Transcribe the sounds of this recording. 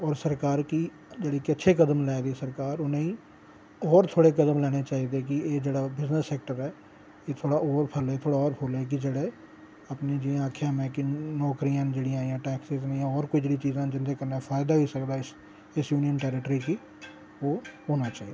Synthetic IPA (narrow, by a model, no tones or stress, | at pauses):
ɔːɾsəɾkaːɾki | d͡ʒeːɽiːkɪətːʃʰeːkəd̪əmlɛːd̪eːsəɾkaːɾonẽːĩː | ɔːɾt̪ʰoːɽeːkəd̪əmlɛːɽ̃eːt͡ʃaːid̪eːkɪeːd͡ʒeːɽaːbɪznəsːɛːk̚ʈəɾɛː | eːt̪ʰoːɽaːʔoːɾpʰəlɛːt̪ʰoːɽaːɔːɾpʰoːlɛːk̬id͡ʒeːɽeː | apneːd͡ʒeːãaːkʰjãːmɛ̃ːkinɔːkɾijãːd͡ʒeːɽiãːijãːʈɛːksɪzneːãːɔːɾkoːiːd͡ʒeːɽiːt͡ʃiːzãːd͡ʒɪnd̪eːkəɾnaːfʰaːɪd̪aːʋiːsəkd̪aːɪ | ɪsjuːnɪjənʈɛːɾɪʈɾiːki | oːɦoːnaːt͡ʃaːid̪eː